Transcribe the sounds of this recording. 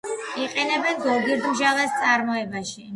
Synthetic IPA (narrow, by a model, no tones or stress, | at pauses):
iqʼɛnɛbɛnzɔɡiɾd̪mʒalast̪sʼaɾmɔɛbaʃi